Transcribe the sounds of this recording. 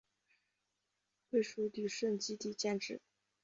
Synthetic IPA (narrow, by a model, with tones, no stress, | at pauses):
xwe˥˩ɪʂu˧˥t̪y˨˩ʂə˥˧˩nt͡ɕi˥t̪i˥˧˩t͡ɕjɛ˥˧nʈ͡ʂɻ̩˥˩˦